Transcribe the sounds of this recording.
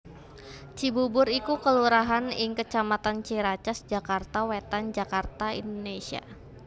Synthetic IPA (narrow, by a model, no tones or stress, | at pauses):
t͡ʃibubʊɾikukəluɾaɦanɪŋkət͡ʃamat̪ant͡ʃiɾat͡ʃasd͡ʒakart̪awet̪and͡ʒakart̪aḭndonesia̰